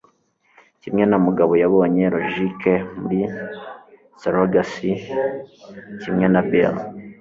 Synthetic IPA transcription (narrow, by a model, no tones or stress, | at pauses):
cimɲenamuɡaβojaβo̞ɲeɾoʒikemuɾi | seɾoɡasi | cimɲenabel